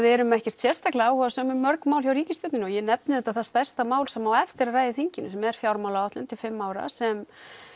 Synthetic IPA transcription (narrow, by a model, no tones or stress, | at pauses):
ðɪɛɾʏmɛhcɛr̥t̪sjɛr̥t̪ʰaklaawhɔasœːmʏmːœɾkmaːwlçjawɾiːcɪst̪ʏt̪nɪnɔjɛnɛp̚nɪðɛt̪aθast̪ajr̥st̪amaːwlsɛmːawɛft̪ɪɾaraːjðɪθiɲcɪnʏsɛmɛɾ̥fjawɾmawlaɔt̪ɪnt̪ʰɪlfɪmːaːwɾa̰sɛm